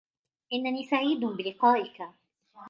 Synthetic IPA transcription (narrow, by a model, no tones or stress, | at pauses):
ʔɪnːaniːsaʕiːd̪ʊbɪlɪqɑːʔɪka